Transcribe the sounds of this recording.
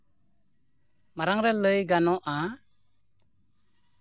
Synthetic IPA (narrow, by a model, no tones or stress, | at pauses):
maɾaŋɾɛləjɡanɔʔa